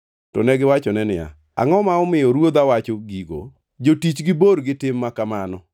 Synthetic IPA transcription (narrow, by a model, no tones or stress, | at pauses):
tɔ̰nɛɡɪwat͡ʃɔnɛnɪja̰ | a̰ŋɔmaɔmɪjɔɾwod̪awat͡ʃɔɡiɡo̰ | d͡ʒotit͡ʃɡɪboɾɡɪtɪmːakamanɔ